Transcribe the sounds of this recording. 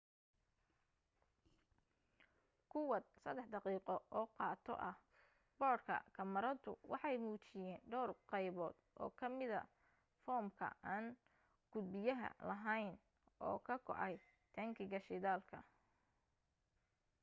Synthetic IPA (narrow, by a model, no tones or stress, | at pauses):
kʰʊwɐd̪sɐd̪ɛħd̪ɑqiːqɔɔːqɑːt̪ʰɔ̰ʔɐh | bɔːrkʰɐ̰kʰɐmɐɾɐt̪ʰʊ̰wʔɑħɑjmuːt͡ʃɪjɛːnɖɔːrqɑjβɔːd̪̥ʔɔ̰ːkʰɐmɪðɐ̰ | fɔːmkʰɐ̰aːn | ɡ̥ʊd̪̚bɪjɐɦɐ̰lɐɦɐjn | ʔɔːkʰɐkʰɔ̰ʕɑj | t̪ʰɐŋkʰɪɣɐʃɪðaːlkʰɐ̰